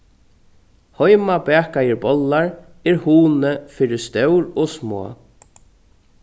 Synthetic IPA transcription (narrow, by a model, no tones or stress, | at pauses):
hɔjmabɛːkajɪɹbɔlːaɹ | ɛɹhuːnəfiːɾɪst̪œwɾɔsmo̰ː